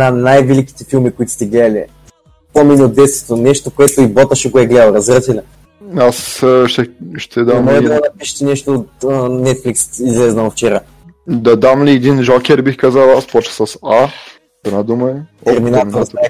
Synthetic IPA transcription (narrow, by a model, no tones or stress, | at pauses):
nanajvɛliki̥t̪ɛfilˠmikʊit̪o̥st̪ɛɡlɛd̪ɐlʲḭ | pɔminʲiod̪ɛst̪t̪onɛʃt̪okoɛt̪oibɔt̪əʃɛɡoʊɛɡlɛd̪əlˠɾɐzɾɤsilʲɛ | asʃt̪ɛʃt̪ʰɛd̪amɔɛuməd̪ɐpiʃɛ̥t̪ɛnɛʃt̪oːt̪ənɛt̪flʲiksizlɛznəloft͡ʃɛɾa | d̪ɐd̪amliɛd̪inʒɔkʲɛɾbixkazalˠaspɔt͡ʃə̥səsa | ɛd̪nad̪umɐɛt̪ɛɾminat̪ɾa